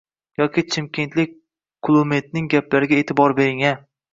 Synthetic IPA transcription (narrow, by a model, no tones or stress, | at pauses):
jɒkʲɪt͡ʃʰɪmkʲʰe̞nt̪lɪk̚ʲ | kʰʊlˠumet̪̚nɪŋɡʲaplaɾɪɡʲaet̪ʰɪbɒɾbe̞ɾɪŋa